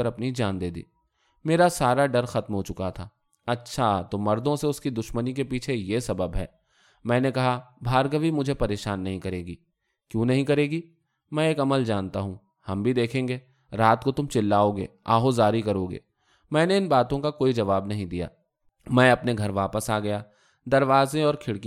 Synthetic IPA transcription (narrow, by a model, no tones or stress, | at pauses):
əɾɐpnid͡ʒaːnd̪eːd̪ḭː | meːɾasaːɾaɖɐɾxɐt̪mɦot͡ʃʊkat̪ʰaː | ɐtːʃʰat̪omɐɾd̪õseʊskid̪ʊʃmənikepiːt͡ʃʰejesɐbəbɦɛ̰ː | mɛ̃ːnekɐɦabʱaːɾɡəʋimʊd͡ʒʱepɐɾeːʃaːnːɐɦĩkɐɾeːɡiː | kjõːnɐɦĩkɐɾeːɡi | mɛ̃ːeːkɐməld͡ʒaːnt̪aɦũ | hɐmbʱid̪eːkʰẽːŋɡeː | ɾaːt̪kot̪ʊmt͡ʃɪlːaːoɡḛːaːɦozaːɾikɐɾoːɡḛː | mɛ̃ːneɪnbaːt̪õkakoːid͡ʒɐʋaːbnɐɦĩd̪ija̰ː | mɛ̃ːɐpneɡʱɐɾʋaːpəsaːɡɐjaː | d̪ɐɾʋaːzẽɔːɾkʰɪɽkĩ